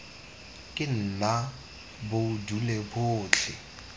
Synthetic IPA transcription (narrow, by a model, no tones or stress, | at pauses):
kʼɪn̩na | bʊdulebʊːt͡ɬʰɪ